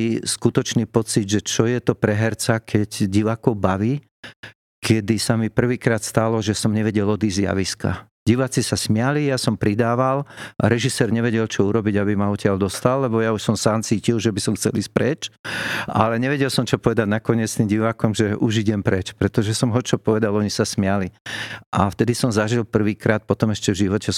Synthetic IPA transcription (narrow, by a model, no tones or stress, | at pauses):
iskut̪ɔt͡ʃniːpɔt͡sid̪ʒɛt͡ʃɔjɛt̪ɔpɾɛɦɛɾt͡sakʰɛɟɟiʋaːkɔʊbaʋiː | kʰɛd̪isamipr̩ʋiːkɾaːt̪st̪alɔʒɛsɔmɲɛʋɛɟɛlɔd̪iːzzja̰ʋiska̰ | ɟiʋat͡sisasmɪalijasɔmpɾid̪aːʋala̰ɾɛʒisɛːɾɲɛʋɛɟɛlt͡ʃɔuɾɔbiɟabimaɔtɪald̪ɔst̪alːɛbɔjauʃsɔmsaːnt͡siːcilʒɛbisɔmxt͡sɛ̰liːsc̚ʲpɾɛt͡ʃ | a̰lɛɲɛʋɛɟɛlsɔmt͡ʃɔpɔʋɛd̪aɟnakɔɲɪɛt͡st̪iːmɟiʋaːkɔmʒɛʔuʒiɟɛmpɾɛt͡ʃpɾɛt̪ɔʒɛsɔmɦɔt͡ʃɔpɔʋɛd̪alɔɲisasmɪaliʔaft̪ɛd̪isɔmzaʒilˠpr̩ʋiːkɾaːt̪̚pɔt̪ɔmɛʃcɛvʒiʋɔcɛ